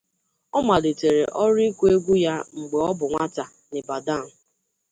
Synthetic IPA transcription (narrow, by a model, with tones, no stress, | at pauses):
ɔ˦ma˨le˨te˨ɾe˨ʔɔ˦ɾi˦kʷu˦e˦ɡʷu˦ja˦ŋ͡m̩˨ɡ͡be˨ɔ˦bʊ˨ŋʷa˦ta˨ | nɪ˨ba˨da˦˨n̩˨